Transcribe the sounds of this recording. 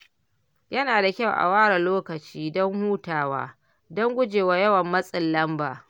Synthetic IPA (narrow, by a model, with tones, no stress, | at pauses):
jɐ˦naː˨da˨kʲa˦wʔa̰˨waː˦ɽa˨loː˦kɐ˨t͡ʃiː˦dɔ˦ŋhuː˦taː˨wa̰ː˦ | dɔ˦ŋɡʷʊ˦d͡ʒeː˨waː˦jɐ˦wɐ˨mːɐ˦sʼɪ˨lːɐ˦mbaː˨